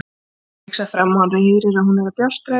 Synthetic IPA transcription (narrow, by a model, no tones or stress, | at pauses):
ksafɾamːaaɾɪjiðɾɪɾahunɛɾap̪jast̪ɾa